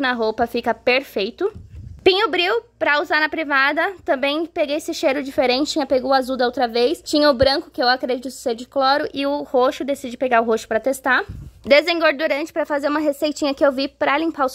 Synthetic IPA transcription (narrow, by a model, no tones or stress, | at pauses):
ʊnɐɦowpɐfikɐpeɾfejt̪ʊpĩɲʊbɾiwpɾɐuzaɾnɐpɾivad̪ɐt̪ɐ̃mbẽj̃peɡejesɪʃejɾʊd͡ʒifeɾẽnt͡ʃɪt͡ʃĩɲɐpeɡowazuwd̪ɐowt̪ɾɐvejst͡ʃĩɲɐʊbɾɐ̃kʊ̥kɪewakɾed͡ʒit̪ʊ̥sed͡ʒɪklɔɾʊʔɪʊhoʃʊd̪esid͡ʒɪpeɡaɾʊɦoʃʊ̥pɾɐt̪est̪ad̪ezẽŋɡoɾd̪uɾɐ̃nt͡ʃɪ̥pɾɐfazeɾũmɐɦesejt͡ʃĩɲɐkɪewvipɾɐlĩpaʊs